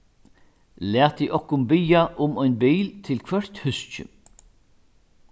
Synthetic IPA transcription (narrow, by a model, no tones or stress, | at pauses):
læːt̪iʔɔhkʊmbɪjaʔʊmɔjnbiːlt̪ʰɪlkʰvœr̥t̪hʏst͡ʃʏ̰